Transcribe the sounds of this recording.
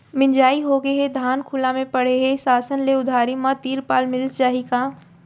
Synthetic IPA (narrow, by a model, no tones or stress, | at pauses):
mɪ̃ɲd͡ʒaːiɦoɡeɦed̪ʱaːnkʰʊlãmẽpɐɽ̤eɦesaːsənleʊd̪ʱaːɾimãt̪iːɾpaːlmɪlst͡ʃaːɦikaː